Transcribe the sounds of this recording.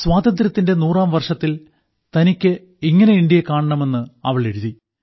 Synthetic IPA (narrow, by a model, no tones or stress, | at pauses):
swaːd̪ɐnd̪ɾɐt̪ːinde̞nuːraːmʋɐrʂɐt̪ːil | t̪ɐnikʲːɨ | iŋːɐne̞iɳɖijɐkaːɳɐɳɐme̞nːɨɐ̰ʋɐɭe̞ɽuði